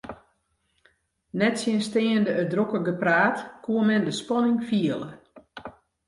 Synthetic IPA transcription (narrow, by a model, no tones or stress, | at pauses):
nɛtsjənstɪːəndəədrokəɡəpraːtkuəmɛndəspɔnɪŋfiələ